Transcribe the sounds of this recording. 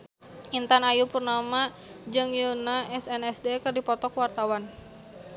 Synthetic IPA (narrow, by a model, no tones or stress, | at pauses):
int̪anajupurnama | d͡ʒɨŋjunaʔɛsɛnɛsdekɨrdipɔt̪ɔkwart̪awan